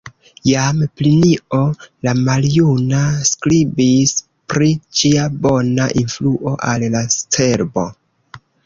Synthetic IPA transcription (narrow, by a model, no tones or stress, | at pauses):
jampliniʔo̞lamaljunaskɾibis | pɾid͡ʒiabo̞naʔinfluʔo̞ʔallastʰe̞ɾbo̞